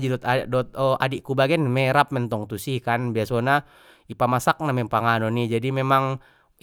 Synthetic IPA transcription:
d͡ʒidɔt̪adɔt̪̚ɔadiʔkubaɡɛnmɛɾap̚mɛnt̪ɔŋt̪usihkanbiasɔna | ipamasak̚namɛpaŋanɔnid͡ʒadimemaŋ

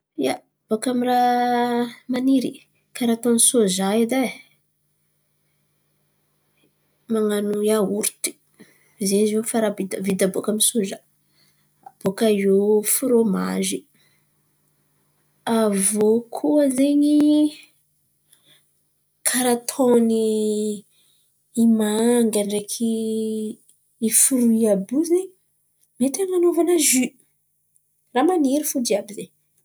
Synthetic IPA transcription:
ja | b̥okamira | maniɾi | kaɾat̪onsozaid̪a | maŋanujauɾt̪i̥ | zezefaɾabid̪əvid̪abokamisozə | ab̥okajofuɾoma̰ʒi | avokʰuəzeɲi | kʰaɾat̪ʰoni | maŋɡaɳɖ͡ʐekʰi | fuɾuiabuzeɲi | met̪aɲanovanaʒy | ramaniɾifudiabize

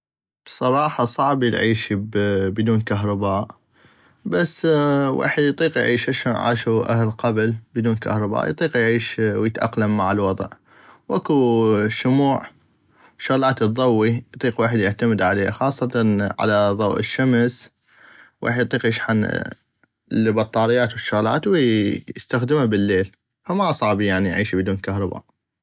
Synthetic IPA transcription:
b̥sˤɑɾˤɑːħɑsˤɑʕblʕiːʃbbɪd̪uːnkaɦɾˤɑbaːʔ | basːwʔḛːħəd̪jt̪ˤiːqjʕiːʃʔaʃoːnʕa̰ːʃuʔahlqablbd̪uːnka̰hɾˤɑba̰ːʔjt̪ˤiːqjʕiːʃwjət̪ʔa̰qlamːaʕɪlwɑðˤʕ | wʔakuʃʊmuːʕ | ʃːʊɣlaːt̪ðˤɑwːijt̪ˤiːqwaːħəd̪jɪʕt̪amɪd̪ʕaleːxɑːsˤːɑt̪ɑʕa̰laðˤɑwʔɪ̰ʃːams | wʔa̰ːħd̪jt̪ˤːiːqjɪʃħan | lbɑt̪ˤːɑːɾɪjːaːt̪wɪʃːʊɣla̰ːt̪wjɪst̪axd̪ɪmabɪlːeːl | famaʔsˤɑʕbijaʕnijʕiːʃibɪd̪uːnkahɾˤɑba̰ːʔ

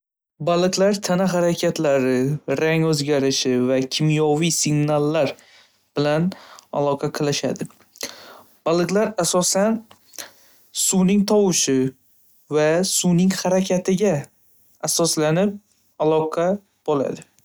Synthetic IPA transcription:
balˠɨqlaɾt̪ʰanaɦaɾakʲʰat̪ʰlaɾɪɾaŋɵzɡʲaɾɪʃɪvakʲʰɪmjɒvijsɪɡnalːaɾ | b̥ɪlana̰lˠɒqʰɑqʰɨlˠɪʃa̰d̪ɪ | b̥alˠɨqlaɾasɒsan | suwnɪŋt̪ʰɒwɪʃɪ | vasunɪŋhaɾakʲʰat̪ʰɪɡʲaː | sɒslanɪp̚ | alˠɒqʰɑ | b̥ɒla̰d̪ɪ

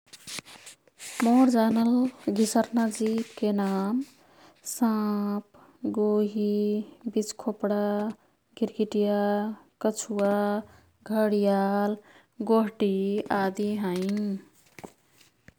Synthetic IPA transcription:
moɾd͡ʒanəlɡʱisəɾnad͡ʒipkenam | sap | ɡoɦibit͡ʃkʰopɽa | ɡiɾɡiʈijakət͡ʃʰuwa | ɡʱəɽijal | ɡoɦʈiad̪iɦə̃j

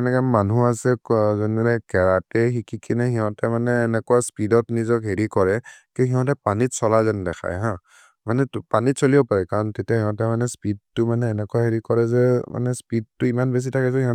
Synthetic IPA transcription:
ɛnɛkɛmanuasɛzɔnɛɾɛkɛɹatɛxikikʰinɛhĩɦɔ̃tɛmanɛːnɛkuwaspidɔtnizɔkɦeɹikɔɹɛkiɦĩɦɔ̃tɛpanitsɔlazɛndɛxʰa̰jɦã | manɛpanitsolibɔpaɹɛkaɹɔntetiahiɦɔ̃tɛmanɛspid̚tːʊmanɛːnɛkuwaɦeɹikɔɹɛzɛma̰nɛspid̚tʊimanbes̬itʰakɛzɔhĩɔ̃

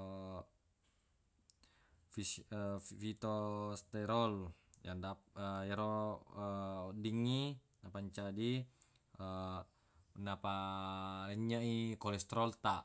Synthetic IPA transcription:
fi | fit̪ost̪ɛɾɔl | jandaəjaɾo | diŋːi | napaɲt͡ʃadi | ə | napa | ɲaikɔlɛst̪ɾɔlt̪a

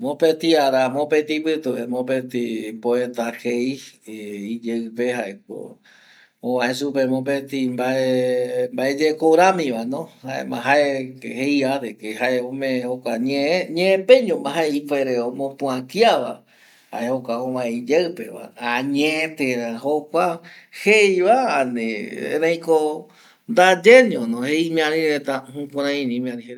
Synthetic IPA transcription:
mõpet̪iaɾamõpet̪ipɨt̪uemõpet̪ipoet̪akei | id͡ʒeɨpeɦaʔek̚o̰ | õʋãesupemõp̬et̪imbaembaed͡ʒekoɾamĩʋanõhaḛmã̰ɦaehejaɾekehaʔeõmẽhokʷaɲeɲẽẽpẽɲõmbãɦaeipeɾeomõpũãkjaβa̰ | ha̰ehokʷaõβaeid͡ʒeɨpeβa̰aɲẽt̪eɾahokʷa | hejβaːnḛḛɾãj̃ko | nd̪ad͡ʒenĩõnõheimĩãɾĩɾet̪ahũkʷãɾãĩnĩmĩãnĩeɾ

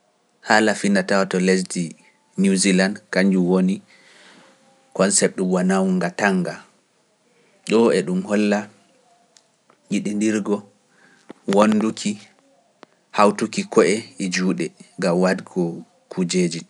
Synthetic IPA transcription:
haːlafinːatawatɔlesti | nuzilandkaɲd͡ʒuwoni | kɔnsɛp̚ɗubanawuŋɡataŋɡa | ɗɔɛɗumhɔlːa | jiɗindiɾɡɔ | wonːdukʰi | hawtukikʰɔʔɛid͡ʒuːɗɛŋɡamwadɡɔ | kʰud͡ʒeːd͡ʒi

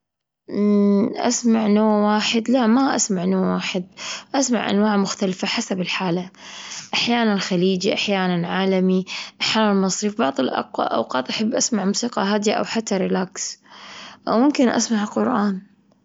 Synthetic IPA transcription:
ʔa̰smaʕnoːwaːħɪd̪laʔmaʔa̰smaʕnoːwaːħɪd̪̚ʔasma̰ʕʔa̰nwaːʕmʊxt̪alfaħasabɪlħaːlaʔaħjaːnanlxaliːd͡ʒiʔaħjaːnanʕaːlamiʔaħjaːnalmɑsˤɾiːfbɑʕðˤɨlʔɑ̰qwa̰ʔa̰wqɑːt̪ˤʔaħɪbːʔasmaʕmuːsiːqɑɦaːd̪jaʔa̰wħat̪ːaɾɪlaːks | ʔawmʊmkɪnʔa̰smaʕlqʊɾʔaːn

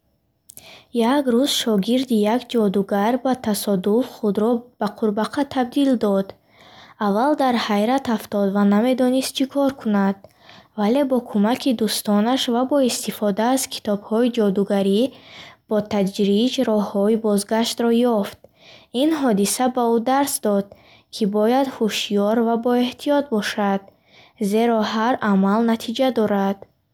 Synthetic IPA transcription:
jaɡɾuz̥ʃɔɡiɾd̪ijakd͡ʒɔd̪uɡaɾbat̪ʰasɔd̪ufχud̪ɾɔb̥aqʰuɾbaqʰat̪ʰab̚d̪ild̪ɔd̪ | avːald̪aɾhajɾat̪aft̪ɔd̪vaname̞d̪ɔnist̪̚t͡ʃʰikʰɔɾkʰunad̪̥ | vale̞bɔkʰumakʰid̪ust̪ɔnaʃvabɔist̪ifɔd̪aːz̥kʰi̥t̪ʰɔbhɔid͡ʒɔd̪uɡaɾib̥ɔt̪ʰad͡ʒɾid͡ʒɾɔhːɔibɔzɡaʃt̪ɾɔjɔft̪̚ | inɦɔd̪isabaud̪aɾsd̪ɔd̪̚ | kʰibɔjad̪huʃijɔɾvabɔe̞ht̪ʰiɔt̪̚bɔʃad̪̥̚ | ze̞ɾɔɦaɾamalnat̪ʰid͡ʒad̪ɔɾad̪̥

